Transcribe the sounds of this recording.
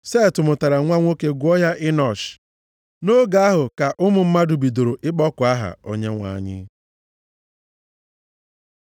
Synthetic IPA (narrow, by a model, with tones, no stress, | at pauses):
se˦˨tʊ˨mʊ˨ta˨ɾa˨ŋʷa˦ŋʷo˦ke˦ɡʷʊ˦ɔ˦ja˦ʔɪ˦nɔ˨t͡ʃ | no˦ɡa˨a˦ɦʊ˨ka˨ʔʊ˦mʊ˨m̩˦ma˦du˨bi˨do˨ɾo˨ʔɪ˦k͡pɔ˦kʊ˨a˦ɦa̰˨o˨ɲe˦ŋʷa̰˨a̰˨ɲɪ̰˦